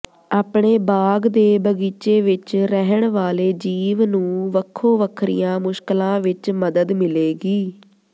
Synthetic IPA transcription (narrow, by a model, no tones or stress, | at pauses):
aːpɳeːbaːɡd̪eːbəɡiːt͡ʃeːʋɪt͡ʃɾɛɦəɳʋaːleːd͡ʒiːʋnũːʋəkʰːõːʋəkʰɾḭjãːmʊʃklãːʋɪt͡ʃməd̪əd̪mɪleːɡiː